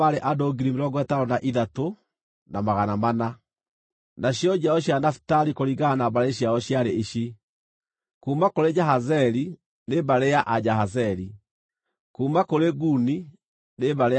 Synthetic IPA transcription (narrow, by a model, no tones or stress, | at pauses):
aɾeʔadɔɡiɾimeɾɔɡwɛtaɾɔnaʔiðato | namaɣanamana | naɕjɔd͡ʑaɔɕ̬janafi̥taɾikoɾiɣanabaɾeɕjaɔɕjaɾeiɕi | kuːmakoɾed͡ʒaɦazɛɾi | nebaɾejaʔad͡ʑaɦazɛɾi | kumakoɾeɡuni | nebaɾe